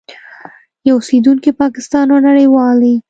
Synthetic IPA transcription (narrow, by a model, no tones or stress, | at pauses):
jawʊsid̪unkipɑkɪst̪ɑnonaɽəjwɑli